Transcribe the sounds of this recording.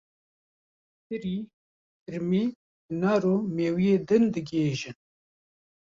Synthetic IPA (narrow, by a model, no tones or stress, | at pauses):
tɨɾiː | ɨɾmi | naɾoːmeːwijeːd̪ɨnd̪ɨɡeːʒɨn